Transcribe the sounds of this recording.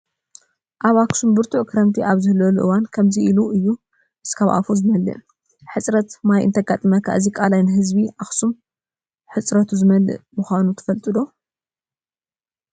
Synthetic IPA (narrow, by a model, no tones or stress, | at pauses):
ʔaβaksumbɨɾt̪ʰuʔkʰɨɾɐmt̪ʰiʔaβzɨhlːɐluʔɨ̰wankʰɐmziʔiluɨjːu | ʔɨskʰaβʔa̰fuzɨmɐlːɨ̰ʔ | ħɨt͡sʼɾɐt̪majʔɨ̰nt̪ʰɐɡat̪ʼɨmɐkʰa̰ʔɨzikʼalajnɨɦɨzbiʔaxsum | ħɨt͡sʼɾɐt̪ʰuzɨmɐlɨ̰ʔmɨxʷanut̪ʰɐ̥fɐlt̪ʼɨd̪o̞